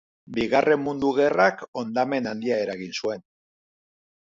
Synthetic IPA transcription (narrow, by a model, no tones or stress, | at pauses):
biɣare̞mmːund̪uɣ̞e̞rako̞nd̪ame̞nand̪iae̞ɾaɣinsue̞n